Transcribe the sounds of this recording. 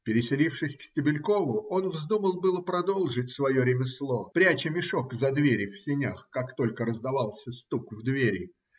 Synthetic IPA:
pʲɪɾʲɪsʲɪlʲifʂɨsʲksʲtʲɪbʲɪlʲko̞vʊo̞nvzd̪uməlˠbɨlˠəpɾɐd̪o̞lˠʐɨtʲsvɐjo̞ɾʲɪmʲɪslˠo̞pɾʲæt͡ɕɪmʲɪʂo̞kzɐd̪vʲeɾʲɪfsʲɪnʲaxkakt̪o̞lʲkəɾəzd̪ɐvɑlˠsʲəst̪ukvd̪vʲeɾʲɪ

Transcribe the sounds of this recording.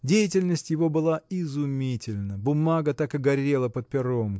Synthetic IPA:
dʲejɪtʲɪlʲnəsʲtʲjɪvo̞bɨlˠaɪzʊmʲitʲɪlʲnəbʊmaɡət̪akɐɡɐɾʲe̞lˠəpət̪̚pʲɪɾo̞m

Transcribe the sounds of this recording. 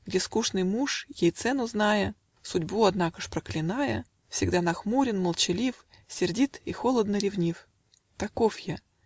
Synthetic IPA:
ɡdʲeskuʂnɨjmuʂjejt̪sɛnʊznajə | sʊdʲbuɐd̪nakəʂpɾəklʲɪnajə | fsʲɪɡd̪anɐxmuɾʲɪnməlˠt͡ɕɪlʲif | sʲɪrdʲit̪ixo̞lˠəd̪nəɾʲɪvnʲif | t̪ɐkofja

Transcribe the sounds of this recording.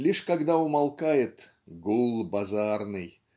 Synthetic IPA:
lʲiʂkɐɡd̪aʊmɐlˠkajɪt̪ | ɡulˠbɐzarnɨj

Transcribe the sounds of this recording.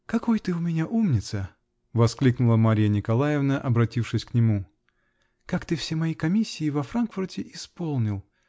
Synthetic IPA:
kɐkojt̪ɨʊmʲɪnʲaʔumnʲɪt̪sə | vɐsklʲiknʊlˠəmaɾʲɪjənʲɪkɐlˠajɪvnəʔɐbɾɐtʲifʂɨsʲknʲɪmu | kakt̪ɨfsʲemɐjikɐmʲisʲːɪːvɐfɾankfʊrtʲɪʔɪspo̞lˠnʲɪlˠ

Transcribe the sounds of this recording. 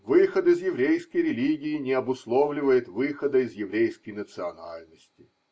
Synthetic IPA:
vɨxət̪ɪzjɪvɾʲejskəjɾʲɪlʲiɡʲɪjɪnʲɪɐbʊslˠovlʲɪvəjɪt̪vɨxəd̪əɪzjɪvɾʲejskəjnət̪sɨɐnalʲnəsʲtʲɪ

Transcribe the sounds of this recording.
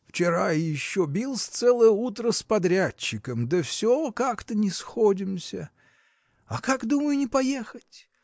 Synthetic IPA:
ft͡ɕɪɾajɪɕːobʲilˠsʲt̪sɛlˠəjəut̪ɾəspɐd̪ɾʲæt͡ɕːɪkəmd̪əfsʲokakt̪ənʲɪsxodʲɪmsʲə | akakd̪uməjʊnʲɪpɐjexətʲ

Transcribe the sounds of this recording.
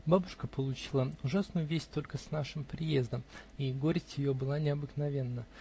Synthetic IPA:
babʊʂkəpəlˠʊt͡ɕilˠəʊʐasnʊjʊvʲesʲtʲt̪o̞lʲkəsnaʂɨmpɾʲɪje̞zd̪əmiɡoɾʲɪsʲtʲjɪjobɨlˠanʲɪɐbɨknɐvʲe̞nːə

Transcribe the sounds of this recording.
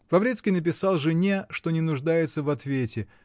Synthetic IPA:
lˠɐvɾʲet̪skʲijnəp̬ʲɪsalˠʐɨnʲeʂt̪o̞nʲɪnʊʐd̪ajɪt̪səvɐt̪vʲetʲɪ

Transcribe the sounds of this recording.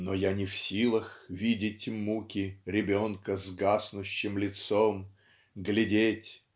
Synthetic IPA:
nojanʲɪfsʲilˠəxvʲidʲɪtʲmukʲɪɾʲɪbʲonkəzɡasnʊɕːɪmlʲɪt̪som | ɡlʲɪdʲetʲ

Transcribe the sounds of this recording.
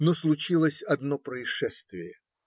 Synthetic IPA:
noslˠʊt͡ɕilˠəsʲɐd̪nopɾəɪʂɛst̪vʲɪjə

